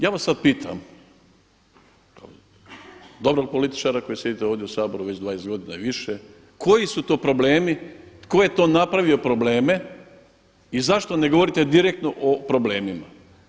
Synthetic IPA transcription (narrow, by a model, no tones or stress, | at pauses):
jaːʋasːad̪̚piːt̪ʰa̰m | ka̰o | d̪o̞bɾoɡ̚polit̪i̥t͡ʃaɾako̞jisjed̪it̪eoʋd̪jeusaːbo̞ɾuʋet͡ɕd̪ʋaːjest̪ɡo̞d̪inaiʋiʃe | kʰo̞jisut̪o̞ːpɾo̞ble̞ːmikojet̪o̞ːnapɾaʋio̞pɾo̞bleːme̞ | izaʃt̪o̞ne̞ɡo̞ʋo̞ɾit̪e̞d̪iɾek̚t̪noʔopɾo̞ble̞ːmima